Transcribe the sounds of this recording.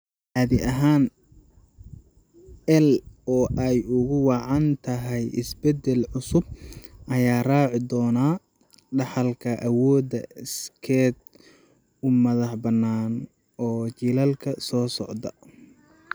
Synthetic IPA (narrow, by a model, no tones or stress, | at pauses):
ʔaːðɪʔɐɦaːn | ʔɛlɔːʔɛjʊɣʊwɑʕɑnt̪ʰɐɦɛjʔɪ̰sbɛd̪ɛlʕʊsʊb̚ʔɐjaːraːʕɪd̪ɔːnaː | ɖɑħɑlkʰɐʔɐwɔːd̪ɐɪskʰɛd̪̚ | ʊmɐðɑħbɐnːaːn | ɔːt͡ʃiːlɐlkʰɐsɔːsɔʕd̪ɐ